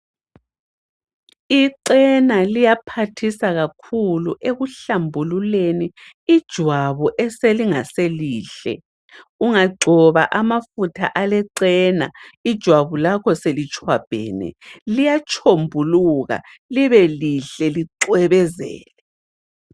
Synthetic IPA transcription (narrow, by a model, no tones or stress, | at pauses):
iǀɛnalijapʰatʰisaɣakʰuluʔeɣuɬambʱululeni | id̥ʒ̥ʱwaβuʔɛseliŋaseliːɬɛ̰ | uŋaɡ͡ǀʱɔβa̰ʔamafutʰaʔalɛǀɛna̰id̥ʒ̥ʱwaβulakʰɔselit͡ʃʰʼwab̥ʱɛ̰ːnɛ̰lijat͡ʃʰombʱuluɣa̰liβɛliɬɛliǀwɛβɛzɛ̰ːlɛ